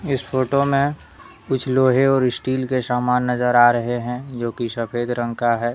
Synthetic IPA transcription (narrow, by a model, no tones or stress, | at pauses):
ɪspʰoːʈomẽ | ʊt͡ʃʰloːɦeɔːɾɪsʈiːlkesaːmaːnːəzəɾaːɾɐɦeɦɛ̃d͡ʒoːkisɐpʰeːd̪ɾə̃ŋkaɦɛː